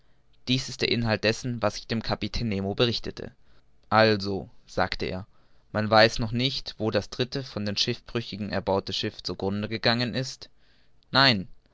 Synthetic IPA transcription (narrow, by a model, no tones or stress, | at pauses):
d̥iːsɪst̚d̥eːɐʔɪnɦalt̚d̥ɛsn̩vasɪ̥çd̥eːmkʰapitʰeːneːmobəʁɪçtətʰə̰ | ʔalzoz̥a̰ːktəʔḛːɐ | manvaɪsnɔχnɪçtv̥oːdasd̥ʁɪtəfɔndeːnʃɪfb̥ʁ̥ʏçɪɡŋ̩ʔɛɐbaʊtəʃɪft͡suɡʁʊndəɡəɡaŋənʔɪst | naɪn